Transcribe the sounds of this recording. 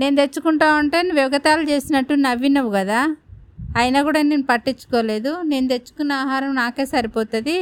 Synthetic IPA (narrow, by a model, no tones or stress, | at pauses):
ne̞ːnut̪e̞t͡ʃːukuɳʈaːuɳʈe̞ːniʋjɐʋɐɡɐt̪aːlut͡ʃe̞ːsinɐʈːunɐʋinɐʋuɡɐd̪aː | jnɐkuːɽaːneːnupɐʈːit͡ʃːu̥kɔːle̞ːd̪une̞ːnut̪e̞t͡ʃːu̥kunːaːɦaːɾɐmnaːke̞ːsɐɾipɔːt̪ɐd̪i